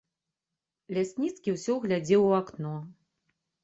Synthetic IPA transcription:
lʲasʲnʲit̪skʲiwsʲɔɣlʲad͡zʲɛwuaknɔ

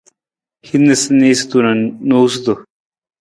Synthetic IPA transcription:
hinːesneːst̪unannost̪o

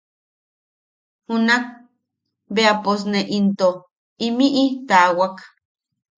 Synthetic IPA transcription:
hunak̚ | beapos̬neʔint̪o | imiʔit̪awak

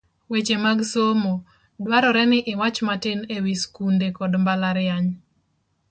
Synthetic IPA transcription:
wet͡ʃemaɡsomo | dwaɾɔɾɛnɪʔɪwat͡ʃmatɪnewiskundekɔdmbalaɾɪjaɲ

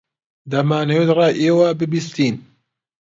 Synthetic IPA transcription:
d̪ɐmaːnejed̪raːʔeːwabɨbist̪iːn

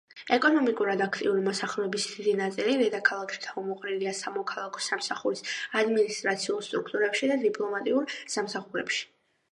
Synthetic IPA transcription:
ɛkʼɔnɔmikʼuɾad̪akʰt̪ʼḭuɾimɔsaχɾɛɛbisd̪id̪inat̪sʼiliɾɛd̪akʰalˠakʰʃi̥t̪ʰaɔmɔqʼniliasamɔkʰalˠakʰɔ̥samsaχuɾisad̪minist̪ʼɾat̪sʰiulˠst̪ʼɾukʰt̪ʼuɾɛpʃid̪ad̪ipʼlˠɔmat̪ʼiuɾsamsaχuɾɛ̰pʃi̥

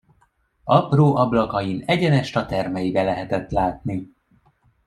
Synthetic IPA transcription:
ɒproːʔɒblɒkɒjinɛɟɛnɛʃt̪ɒt̪ɛrmɛjibɛlɛɦɛt̪ɛt̪laːt̪̚ni

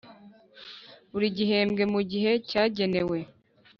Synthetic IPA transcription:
uɾiɟiɦeːmɡe̞muɟiɦe̞caːɟe̞ne̞we̞

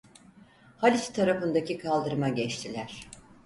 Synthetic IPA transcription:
halʲit͡ʃt̪ʰːaɾafɯnd̪acikʰalˠd̪ɯɾmaɟɛt͡ʃt̪ʰilʲæɾ̥

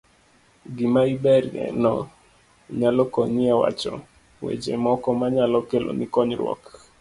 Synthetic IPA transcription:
ɡɪmaibɛɾɛ̰nɔ | ɲalɔkɔɲɪawa̰t͡ʃɔ̰ | wḛd͡ʒemɔkɔmaɲalɔkelo̰nikɔɲɾwɔ̰k

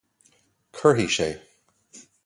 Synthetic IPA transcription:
kʰɜ˞ɦiʃeɪ

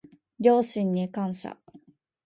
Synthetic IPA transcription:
ɾʲo̞ːɕĩɲːikãɰ̃ɕa̰

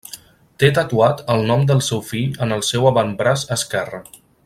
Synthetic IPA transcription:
t̪et̪ət̪uat̪əlˠnɔmd̪əlˠsɛwfiʎənəlˠsɛwəβəmbɾasəskɛrə

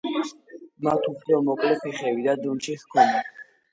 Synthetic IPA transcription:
mat̪ʰuχʰɾɔmɔkʼlɛpʰiχɛvid̪ad̪unt͡ʃiχkʰɔna

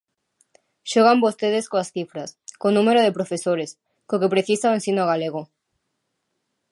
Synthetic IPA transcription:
ʃɔɣambost̪eðeskoasθifɾaskonũmeɾoðepɾofesoɾes | kokepɾeθisaoẽnsinoɣ̞aleɣ̞o

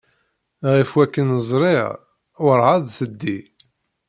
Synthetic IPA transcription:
ʁifwækːənəzˤɾˤiʁ | wəɾˤʕaðˤθəd̪ːi

